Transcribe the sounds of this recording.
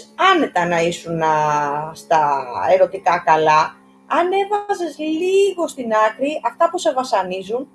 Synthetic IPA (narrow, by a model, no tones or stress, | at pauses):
ɐne̞t̪ɐnɐisunɐst̪ɐeɾo̞t̪ikɐkɐlɐ | ɐne̞vɐze̞zliɣo̞st̪inɐkɾiɐft̪ɐpuse̞vɐsɐnizun